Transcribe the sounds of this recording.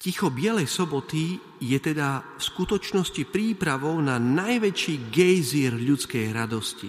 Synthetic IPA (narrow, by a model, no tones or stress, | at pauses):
cixɔbɪɛlɛjsɔbɔt̪i | jɛt̪ɛd̪afskut̪ɔt͡ʃnɔscipɾiːpɾaʋɔʊnanajʋɛt͡ʃiːɡɛjziɾʎut͡skɛjɾad̪ɔscḭ